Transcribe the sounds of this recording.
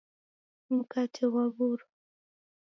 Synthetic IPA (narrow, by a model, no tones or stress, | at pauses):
m̩katʰiwaβuɾu